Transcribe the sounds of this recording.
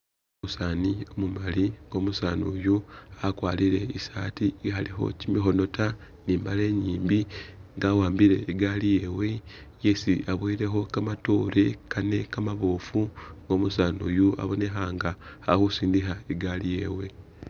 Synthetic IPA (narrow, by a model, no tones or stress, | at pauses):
omusaːnio̞mumaliŋɡo̞musaːnuːjuakwaːliɾe̞isaːtiɦaliɦo̞̰cimixo̞no̞ta | niːmbale̞ːɲiːmbiŋɡawaːmbiɾe̞̰ːɡalije̞ːwe̞ | jesiaβweiɾe̞xo̞kamatoɾekʰane̞kamaβoːfuŋɡo̞ːmusaːnṵːjua̰βo̞ne̞xaːŋɡahahusiːndixaeɡalije̞ːwe